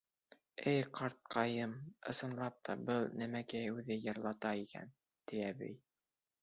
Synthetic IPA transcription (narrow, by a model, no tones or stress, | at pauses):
ɘjqʰɑɾt̪̚qʰɑjɤmɤ̆sɤ̆nlˠɑp̚t̪ʰɑbɤlˠnæmækæjʉðɘjɤ̆ɾlˠɑt̪ɑikæ̰n | t̪iæbḭj